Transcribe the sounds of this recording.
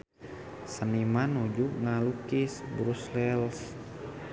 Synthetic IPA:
sənimanud͡ʒuŋalukisbɾuslɛls

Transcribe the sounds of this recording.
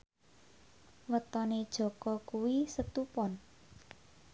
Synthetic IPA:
wət̪ɔned̥ʒ̥ɔ̤kɔkuwisət̪upɔn

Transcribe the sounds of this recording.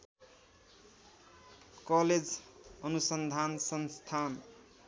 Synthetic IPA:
kʌled͡zʌnusʌnd̪ʱansʌnst̪ʰan

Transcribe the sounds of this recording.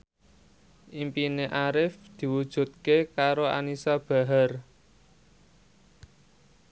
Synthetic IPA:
ʔimpineʔaɾɪfd̪̥i̤wud̥ʒ̥ṳt̪̚kekaɾoa̰nisab̥a̤ɦar

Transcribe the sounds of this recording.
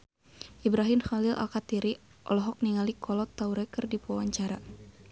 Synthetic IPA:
ʔibɾaɦɪmxalilʔa̰lkat̪iɾi | ʔɔlɔɦɔk̚niŋalikʰɔlɔt̪ːauɾɛkɨrdipuawaɲt͡ʃaɾa

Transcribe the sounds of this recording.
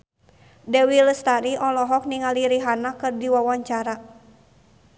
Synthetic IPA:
dɛwilst̪aɾiʔɔlɔɦɔk̚niŋaliɾiɦanakɨrdiwawaɲt͡ʃaɾa

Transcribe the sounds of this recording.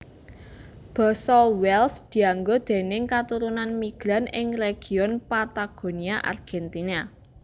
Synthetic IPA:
b̥ɔ̤sɔwɛlsd̪̥i̤aŋɡod̪̥e̤nɪŋkat̪uɾunanmiɡ̥ɾanɪŋreɡ̥i̤ɔnpat̪aɡ̥o̤niaʔa̰rɡ̥ɛnt̪ina

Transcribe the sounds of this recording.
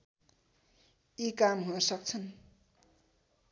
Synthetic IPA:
jikamɦunʌsʌk̚t͡sʰʌn

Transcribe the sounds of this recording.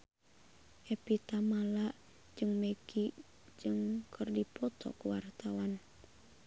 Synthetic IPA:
ʔɛpit̪amalaʔ | d͡ʒɨŋmeɡi | d͡ʒɨŋkʰərdipɔt̪ɔ̰kuwart̪awan

